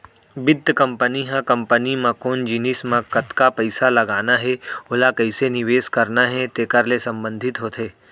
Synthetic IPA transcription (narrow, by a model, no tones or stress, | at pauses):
bɪd̪ʱːkɐ̃mpəniɦãkɐ̃mpənimãkoːnd͡ʒinɪsmãkɐt̪kapɐɪsalɐɡaːnaɦɛolakɐɪsenɪʋeːskɐɾnaɦɛt̪eːkəɾlesɐ̃mbə̃nd̪ʱɪt̪ɦot̪ɦeː